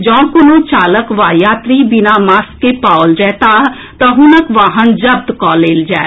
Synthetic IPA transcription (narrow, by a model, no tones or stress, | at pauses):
d͡ʒɔ̃ːkʊnõːt͡ʃaːləkʋaːjaːt̪ɾiːbɪnaːmaskepaːʊld͡ʒɛːt̪aː | t̪ãɦʊnəkʋaːɦənd͡ʒəb̚d̪kɔːleːld͡ʒaːe